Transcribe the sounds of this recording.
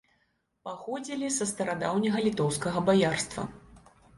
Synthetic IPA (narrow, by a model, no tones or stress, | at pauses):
paxɔd͡zʲilʲisɐst̪ɐɾad̪awnʲɐɣɐlʲit̪ɔwskɐɣɐbajarst̪vɐ̰